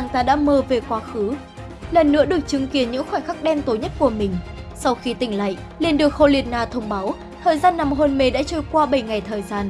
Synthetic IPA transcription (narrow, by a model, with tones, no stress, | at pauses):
aː˨˩ŋt̪aː˧ɗa̰ː˧˥məː˧ve˨˩kwaː˧xɨ˨˦ | lə˨˩nːɨ̰˧˥əɗɨ˨˩ək̚t͡ɕɨ˨˦ŋki˨˦ənɲɨ̰˧˥ŋxwɛ˧˩ŋ̟xa˦˥k̚ɗɛ˧mt̪o˨˦ɲə˦˥t̚ku˧˩əmï˨˩ŋ̟sa˧wxi˧t̪ï˧˩ŋ̟la̰ː˧˨ʔ | li˨˧˩ənɗɨ˨˩ək̚ho˧li˨ət̚naː˧t̪ʰə˧wŋ͡mɓaː˨˦w | t̪ʰəː˨˩jzaː˧nːa˨˩mɦə˧nme˨˧˩ɗa̰ː˧˥t͡ɕə˧˩jkwaː˧ɓə˧˩jŋa˨˩jt̪ʰəː˨˩jzaː˧n